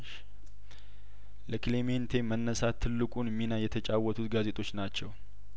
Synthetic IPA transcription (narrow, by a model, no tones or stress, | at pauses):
ləkɨleme̞nt̪ʰe̞mənːəsat̪ʰːɨlːɨkʼunəmːinajːɛt̪ʰət͡ʃʼawːɔt̪ʰut̪ɡaze̞t̪ʰʼo̞t͡ʃːnat͡ʃːɛw